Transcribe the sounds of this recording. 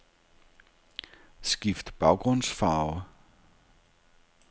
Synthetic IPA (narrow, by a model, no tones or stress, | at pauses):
skiftbɐlˠkɔnsfaːlˠ